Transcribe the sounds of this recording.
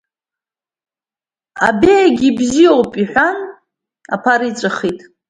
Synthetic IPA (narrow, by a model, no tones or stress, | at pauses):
a̰bejaɡʲibziowpʼiħʷᶣan | a̰pʰaɾit͡sʷʼɨχitʼ